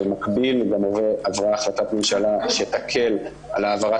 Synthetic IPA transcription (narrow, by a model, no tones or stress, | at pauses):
makbilɡamoveavʁaːχlat̪at̪memʃalaʃet̪akʰe̞l | a̰laːvaʁa